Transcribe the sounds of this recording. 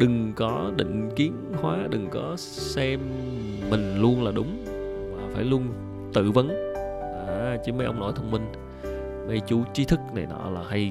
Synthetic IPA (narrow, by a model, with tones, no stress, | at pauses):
ɗɨ˨˩ŋkɔ˨˦ɗḭ˧˨ŋ̟ki˨˦ənhwaː˨˦ɗɨ˨˩ŋkɔ˨˦ | sɛ˧mː | ï˨˩ŋ̟lu˧ənlaː˨˩ɗʊ˨˦wŋ͡m | maː˨˩faː˧˩jlu˧ən | t̪ɨ̰˧˨və˨˦n | ʔa˨˩˧t͡ɕɨ˨˦mə˨˦jʔə̰˧wŋ͡mno̰˧˩jt̪ʰə˧wŋ͡mmï˧ŋ̟ | ŋa˧jt͡ɕu˨˦t͡ɕi˨˦t̪ʰɨ˦˥k̚na˨˩jnɔ̰˧˨laː˨˩ha˧j